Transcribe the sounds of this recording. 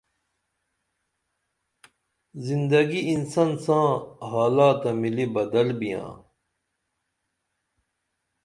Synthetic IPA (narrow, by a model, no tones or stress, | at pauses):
zind̪ɐɡiinsɐnsãːɦaːlaːt̪ɐmilibɐd̪ɐlbijã̰ː